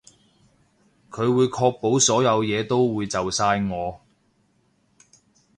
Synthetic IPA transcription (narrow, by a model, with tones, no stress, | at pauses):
kʰɵ˨˧ɥwuː˨˧jkʰɔː˧k̚po˨˥wsɔː˨˥jɐ˨˧wjɛː˨˧t̪o˥wwuː˨˧jt͡sɐ˨wsaː˧jŋɔː˨˧